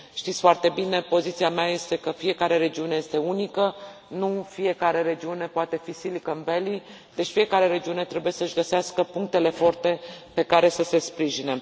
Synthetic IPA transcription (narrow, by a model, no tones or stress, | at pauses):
ʃt̪it̪sfoart̪e̞bine̞po̞zit̪siameaje̞st̪e̞kəfije̞kaɾe̞ɾe̞d͡ʒiune̞je̞st̪e̞unikə | nufije̞kaɾe̞ɾe̞d͡ʒiune̞poat̪e̞fisilikəɨnveli | d̪e̞t͡ʃfije̞kaɾe̞ɾe̞d͡ʒiune̞t̪ɾe̞buje̞səɨʃɡəseaskəpuŋk̚t̪e̞le̞fo̞rt̪e̞pe̞kaɾe̞səse̞spɾiʒine